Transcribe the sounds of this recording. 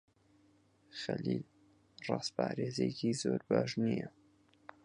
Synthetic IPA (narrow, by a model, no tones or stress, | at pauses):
xɐlil | rɑːspɑːɾeːzekizoːɾbɑːʒnijə